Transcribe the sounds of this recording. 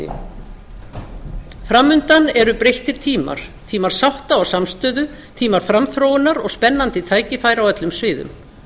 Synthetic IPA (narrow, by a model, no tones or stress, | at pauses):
fɾamːʏnt̪anɛɾʏpɾejht̪ɪɾ̥t̪ʰiːma̰ɾ̥t̪ʰiːmaɾ̥sawht̪aɔwsamst̪œːðʏ | t̪ʰiːmaɾ̥fɾamθɾoːwɪnːaɾɔɣspɛnːant̪ɪt̪ʰaːjcɪfaːjɾawɛt̪lʏmsvɪːðʏ̰m